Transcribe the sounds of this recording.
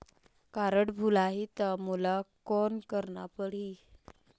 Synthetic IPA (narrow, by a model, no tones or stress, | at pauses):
kaɾəɽbʱulaɦit̪əmulakonkəɾɳapəɽ̤i